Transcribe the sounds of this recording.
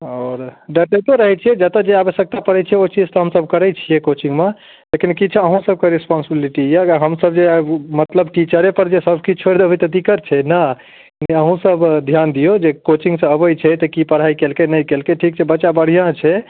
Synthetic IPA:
ɔːɾɖəʈet̪oɾəɦɛt͡ʃʰɛd͡ʒət̪ad͡ʒeabəsjək̚t̪apəɽɛt͡ʃʰɛot͡ʃid͡ʒt̪ɔɦəmsəbʱkəɾɛjt͡ʃʰijɛkot͡ʃiŋɡme | lekinkit͡ʃʰɛəɦũsəb̚keɾispɔnsibiliʈijaɦəmsəb̚d͡ʒemət̪ləbʈit͡ʃəɾepəɾd͡ʒesəbʱkit͡ʃʰoɾd̪ebɛt̪əd̪ikəɾt͡ʃʰɛna | neəɦũsəbd̪ʱjand̪ijod͡ʒekot͡ʃĩŋɡsə̃əbəjt͡ʃʰɛt̪ɔkipəɽ̤aikelkenəjkelkeʈʰikt͡ʃʰɛbəːʃabəɽ̤ijãt͡ʃʰɛ

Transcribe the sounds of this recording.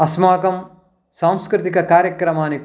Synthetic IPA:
ɐsmaːkɐm | saːmskɾɪt̪ikɐkaːɾjɐkɾɐmaːni

